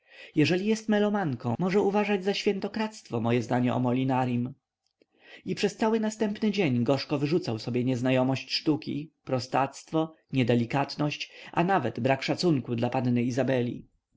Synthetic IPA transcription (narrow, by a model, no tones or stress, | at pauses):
jɛʐɛlʲijɛst̪mɛlɔmaŋkɔ̃mɔʐɛuvaʐad͡ʑzaɕfʲjɛnt̪ɔkɾat̪st̪fɔmɔjɛzd̪aɲɛʔɔ̰mɔlʲinaɾim | ipʂɛst̪sawɘnast̪ɛmpnɘd͡ʑeɲɡɔʂkɔvɘʐut̪sawsɔbʲjɛɲɛznajɔmɔɕt͡ɕʂt̪ukʲḭpɾɔst̪at̪st̪fɔ | ɲɛd̪ɛlʲikat̪nɔɕt͡ɕʔa̰navɛd̪bɾakʂat̪suŋkud̪lapanːɘizabɛlʲḭ